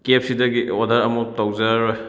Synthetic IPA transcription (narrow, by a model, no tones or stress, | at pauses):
kep̚sidɐɡiɔdaɾɐmuk̚tɔwzaɾɔj